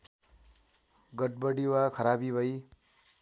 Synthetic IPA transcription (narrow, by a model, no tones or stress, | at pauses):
ɡʌʈ̚bʌɽiwakʰʌɾabibʱʌj